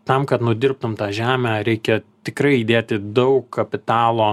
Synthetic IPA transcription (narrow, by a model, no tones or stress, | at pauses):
t̪ɐmkɐt̪nʊd̪ʲɪrp̚t̪ʊmt̪ɑːʒʲæːmʲæːɾʲɛɪkʲɛt̪ʲɪkrɐɪid̪ʲeːt̪ʲɪd̪ɐʊkkʰːɐpʲɪt̪ɑːlˠoː